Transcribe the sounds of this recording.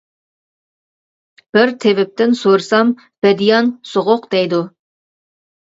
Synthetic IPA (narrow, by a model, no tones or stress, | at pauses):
b̥ɪɾt̪ʰevɪp̚t̪ɪnsoɾsɑm | b̥ɛd̪ijɑnsoʁʊqd̪ɛjd̪u